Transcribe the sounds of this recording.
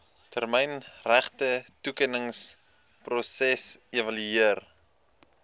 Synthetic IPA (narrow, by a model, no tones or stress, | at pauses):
tʰərmɛjnræχtətukənəŋs | prosɛsevɐlyiər